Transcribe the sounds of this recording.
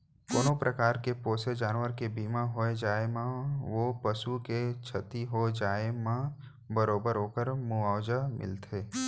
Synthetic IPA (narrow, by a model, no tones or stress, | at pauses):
koːnõpɾʔəkaːɾkepoːsed͡ʒaːnʋəɾkebiːmaɦoed͡ʒaːemãʋopəsuket͡ʃʰət̪iɦod͡ʒaːemã | bəɾoːbəɾɦoːkəɾmuaːwd͡ʒamɪ̰lt̪ʰeː